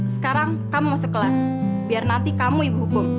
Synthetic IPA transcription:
sə̥kaɾaŋ | kamumɔsəkəlas | biarnant̪ikamuibuɦkʊm

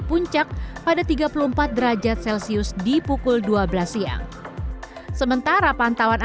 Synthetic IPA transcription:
puɲt͡ʃak̚padat̪iɡapulumpat̪̚dəɾad͡ʒat̪̚sɛlsiʊsdipukʊlduablasia̰ | səmənt̪aɾapant̪awan

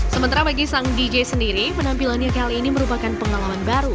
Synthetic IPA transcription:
səmənt̪aɾabaɡisaŋdid͡ʒesəndiɾimənampilanjakaliiniməɾupakanpəŋalamanbaɾu

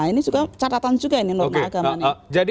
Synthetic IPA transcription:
inisuɡat͡ʃat̪at̪and͡ʒuɡaininɔŋaɡamand͡ʒad

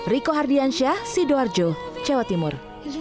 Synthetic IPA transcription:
rikoɦardianʃiahsidoard͡ʒot͡ʃewat̪imʊr

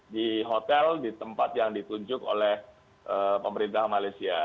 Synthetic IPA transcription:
diɦot̪ɛldit̪əmpat̪̚jaŋdit̪uɲd͡ʒʊko̰lɛh | ʔəpəməɾint̪ahmalajsia

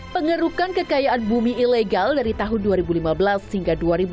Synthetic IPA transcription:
pəŋəɾukankəkajaʔanbumiːleɡaldaɾit̪aɦʊnduaɾibulimabəlashiŋɡaduaɾib

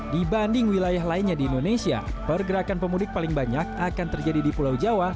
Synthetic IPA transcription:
dibandɪŋwilajaɦlaɪnɲadiːndonesia̰pərɡəɾakanpəmudɪk̚palɪŋbaɲak̚akant̪ərd͡ʒadidipulawd͡ʒawa

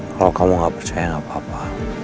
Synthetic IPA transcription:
kalɔkamɔŋɡapərt͡ʃajaŋabapa

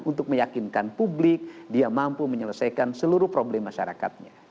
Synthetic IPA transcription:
unt̪ʊk̚məjakinkanpublɪk̚diamampuməɲələsajkansəluɾʊhpɾoblɛmːaʃa̰ɾa̰ka̰t̪̚ɲa

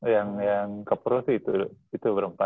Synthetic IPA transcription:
jaŋjaŋkapuɾosiit̪uit̪ubəɾampa

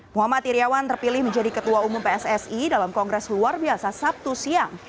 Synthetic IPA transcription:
muɦamat̪iɾiawant̪ərpilɪhməɲd͡ʒadikət̪uaumumpeɛsɛsidalamkɔŋɡɾɛsluarbiasasap̚t̪usiaŋ

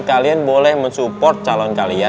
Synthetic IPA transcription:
kalianbolɛhməɲsupɔrt̪̚t͡ʃalɔnkalia

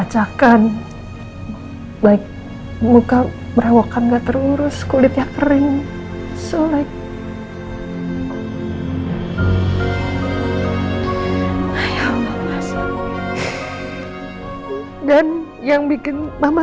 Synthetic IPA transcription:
at͡ʃakan | baɪk̚ | muka | bəɾawakanɡaʔt̪əruɾʊskulɪt̪̚jakəɾɪŋ | sulak̪̚ | ajamaasa | dan | jaŋbikɪnmama

